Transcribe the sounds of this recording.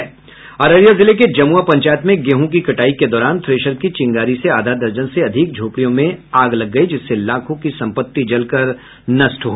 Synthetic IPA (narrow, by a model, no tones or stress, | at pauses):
ɐɾəɾjazɪleked͡ʒɐmuapɐ̃ɲt͡ʃaːjət̪mẽɡeːɦũk̬ikɐʈaːiked̪ɔːɾaːnt̪ʰɾeːʃəɾkit͡ʃɪ̃ŋɡaːɾiseaːd̪ʱad̪ɐɾd͡ʒənseɐd̪ʱɪk̚d͡ʒʱoːpɽijõmẽaːɡlɐɡːɐid͡ʒɪsːelaːkʰõkisɐ̃mpət̪ːid͡ʒɐlkɐɾ | nɐsʈɦoː